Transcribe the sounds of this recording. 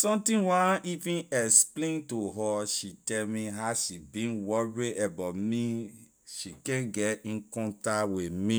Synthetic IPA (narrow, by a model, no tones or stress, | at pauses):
sɔ̃mtĩwaʔivĩnɛksplẽntuɦɔʃitɛlmĩɦaʃibĩnwɔɹiebamĩ | ʃikɛ̃nɡɛtĩnkɔ̃ntawimĩ